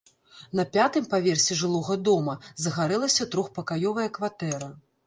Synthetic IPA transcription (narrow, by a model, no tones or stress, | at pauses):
nɐpʲat̪ɨmpavʲɛrsʲɛʐɨlˠɔɣɐd̪ɔmɐzɐɣaɾɛlˠɐsʲɐt̪ɾɔxpɐkajɔvɐjɐkvat̪ɛɾɐ